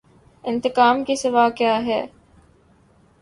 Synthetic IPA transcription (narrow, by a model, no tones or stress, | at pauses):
ɪnt̪ɪkaːmɡisiʋaːkaːɦɛː